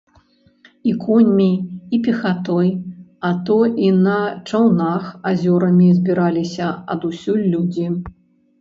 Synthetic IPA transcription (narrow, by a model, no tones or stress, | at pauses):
ikɔnʲːijipʲɛxat̪ɔjat̪ɔinɐt͡ʂawnaxazʲɔɾɐmʲizʲbʲiɾalʲisʲɐɐ̰d̪usʲulʲːud͡zʲi